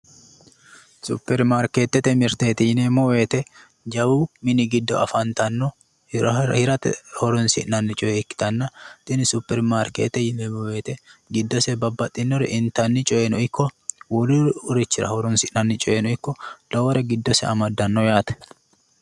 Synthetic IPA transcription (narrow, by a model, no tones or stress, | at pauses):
supːɛɾmaːɾkeːt̪ːɛt̪ɛmɪɾt̪eːt̪ɪjɪnemɔwe̞ːt̪ɛ | d͡ʒɐwumɪnɪɡɪd̪ːɔɐfɐnt̪ɐnːɔ | hɪɾɐt̪ɛhɔɾɔnsɪʔnɐnːɪt͡ʃʼɔjɛɪkːɪ̥t̪ɐnːɐt̪ʼɪnɪsupːɛɾmaːɾkeːt̪ːɛjɪnemɔwe̞ːt̪ɛɡɪd̪ːɔsɛbɐbːɐt̪ʼːɪnːɔɾɛʔɪnt̪ɐnːɪt͡ʃʼɔjɛnɔɪkːɔwɔlɪʊɾɪt͡ʃːɪɾɐ̰hɔɾɔnsɪʔnɐnːɪt͡ʃʼɔʔɛnɔɪkːɔl̥ɐwɔɾɛɡɪd̪ːɔsɛ̰ɐmɐd̪ːɐnːɔjaːt̪ɛ̥